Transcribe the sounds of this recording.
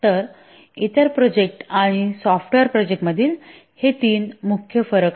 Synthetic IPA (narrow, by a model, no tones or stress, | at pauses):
t̪əɾ | it̪əɾpɾod͡ʑek̚ʈaɽ̃isɔfʈʋeɾpɾod͡ʑek̚ʈməd̪ʱiːl | het̪iːnmukʰjəfəɾək